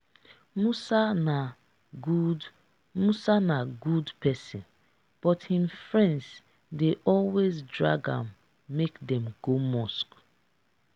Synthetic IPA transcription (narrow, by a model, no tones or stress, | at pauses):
musan | ɡud | musanaɡudpɛsĩn | b̥ɔthĩmfɹɛ̃nds | deʔɔlwezdɹa̰ɡã̰mː | ekdɛ̃mɡomɔsk